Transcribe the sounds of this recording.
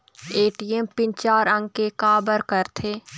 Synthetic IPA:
eːʈiɛmpɪ̃nt͡ʃaːɾə̃ŋɡ̚kekaːbəɾkəɾt̪ʰeː

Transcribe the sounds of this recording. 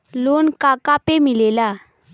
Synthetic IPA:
lonkakapemilela

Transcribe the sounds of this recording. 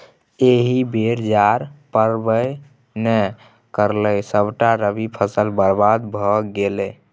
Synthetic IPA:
eɦibʱeɾd͡ʒaɾpəɾbəj | nɛ | kəɾləjsəbʈaɾəbipʰəsəlbəɾbad̪bʱɔɡelɛ

